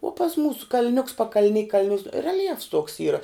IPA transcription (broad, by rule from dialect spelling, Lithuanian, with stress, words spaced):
uɔ pɐs ˈmuːsʊ kɐlʲˈnʲʊks pɐkɐlʲˈnʲɪ kɐlʲˈnʲʊ rʲɛlʲˈjɛfs tuɔks ˈiːrɐ